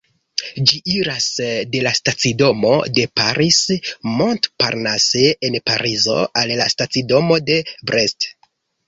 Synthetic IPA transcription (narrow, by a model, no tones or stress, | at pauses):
d͡ʒiʔiɾasde̞lastat͡sido̞mo̞̰de̞paɾismontpaɾnaseenpaɾizo̞̰ʔallastat͡sido̞mo̞de̞bɾest